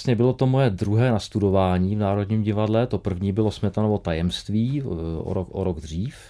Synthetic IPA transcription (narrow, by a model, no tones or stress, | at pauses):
sɲɛbɪlo̞t̪o̞mojɛd̪ɾuɦɛːnast̪udo̞vaːɲiːvnaːɾodɲiːmɟɪvadlɛt̪o̞pr̩vɲiːbɪlo̞smɛt̪anovo̞t̪ajɛmst̪viːʔo̰ɾokʔo̰ɾoɡd̪r̝iːf